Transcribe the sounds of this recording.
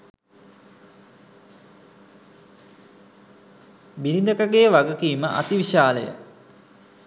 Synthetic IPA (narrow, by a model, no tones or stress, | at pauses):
biɾind̪əkəɡejəʋaɡəkiːməʔa̰t̪iʋiʃaːlə̰jə̰